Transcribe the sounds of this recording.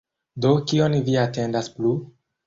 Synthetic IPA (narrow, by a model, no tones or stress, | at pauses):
dokionviatendasplu